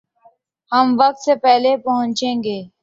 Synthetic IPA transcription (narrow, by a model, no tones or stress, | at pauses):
həmʋək̚t̪sepɛɦlepəɦʊ̃ɲt͡ʃẽːŋɡeː